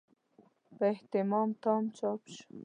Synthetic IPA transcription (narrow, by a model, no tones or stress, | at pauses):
pəeht̪ɪmɑmt̪ɑmt͡ʃɑpʃ